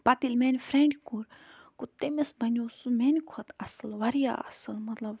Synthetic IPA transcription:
pɐt̪ilmeːnʲfɾeɳɖkuɾkut̪emesbɐnʲoːsumenʲkʰɐt̪ɐsɐlʋɐɾja̰ːɐ̰sɐlmɐt̪lɐb

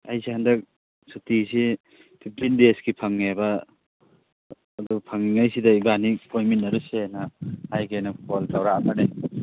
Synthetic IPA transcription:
ajsihandɐk̚ | sutisi | pʰip̚ʰtindeskipʰaŋnabɐ | dupʰaŋiŋajsidɐibanipʰojminːɐɾusenɐhajkajnɐkʰɔltawɾaːmane

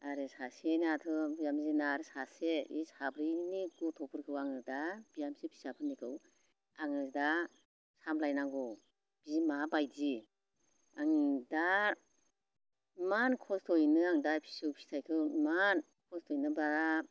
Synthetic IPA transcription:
aɾesasenatʰɯbijamzinaɾɯsaseḭsabɾiniɡutʰɔpʰɯɾkʰɯwaŋɯdabijamsipʰi̥sapʰɯnːikʰɯw | aŋɯzda | samlajnaŋɡɔ | b̥izimabajdi | aŋida | mankʰɔstʰɔjnɯaŋdapʰi̥sɯwpʰi̥tʰajkʰɯman | kʰɔstʰɔjnɯbaɾa

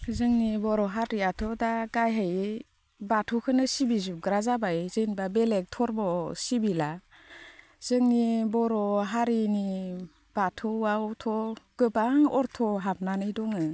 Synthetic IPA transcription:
zɯŋnibɔɾɔɦaɾiatʰɔdaɡajɦaj | batʰɔkʰɯnɯsibizup̚ɡɾazabajzɯnbabelek̚tʰɔɾbɔsibila | z̥ɯŋnibɔɾɔɦaɾini | b̥atʰɔwawtʰɔɡ̥ɯbaŋɔɾtʰɔɦap̚nanɯjdɔŋɯ

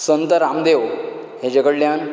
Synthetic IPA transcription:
sənt̪əɾamd̪ew | ɦed͡ʑəɡəɽljan

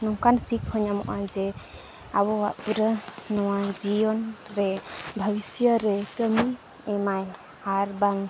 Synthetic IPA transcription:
nɔŋkansikhɔɲamɔ̰ʔad͡ʒɛ | aβɔwaʔpuɾənɔwad͡ʒijɔnɾɛbʱəbisjəɾɛkəmi | ɛmaj | haɾbaŋ

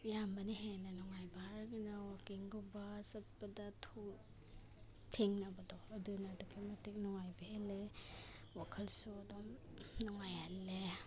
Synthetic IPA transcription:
jambɐniɦenanɔŋajbaaɾɡinawakiŋɡɔbasɐt̚padatʰu | tʰeŋnabɐdɔːdunadukʰematʰik̚nɔŋajbehele | wakʰɐlsuadɔm | nɔŋajalːe

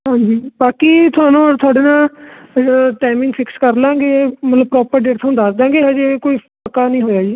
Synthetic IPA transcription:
ɦãːɲd͡ʒiːbaːkiːt̪ʰʊaːnõːɽt̪ʰʊaːɽeːnãː | ʈaːmɪ̃ŋɡfʰɪkskəɾlãːɡeːmət̪ləb̚pɾɔːpəɾɖeːʈt̪ʰõːd̪aːsd̪ãːŋɡeːɦəd͡ʒeːkoːiːpəkːaːnəĩːɦoːjaːd͡ʒiː

